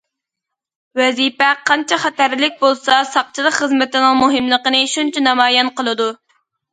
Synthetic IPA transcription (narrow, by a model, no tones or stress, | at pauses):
wɛzipɛqʰɑnt͡ʃʰɛχæt̪æɾlɪk̚ʲbolˠsɑsɑq̚t͡ʃʰilˠəkχəzmɪt̪ɪnɪŋmuɦɪmlˠəqənɨʃunt͡ʃʰɛnɑmɑːjɛnqəlˠɨd̪u